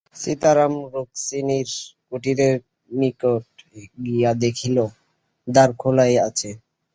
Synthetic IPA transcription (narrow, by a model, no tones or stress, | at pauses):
sit̪aɾamɾoksiniɾkuʈiɾe | mikoʈ̚ɡijad̪ekʰilo | d̪aɾkʰolajat͡ɕʰe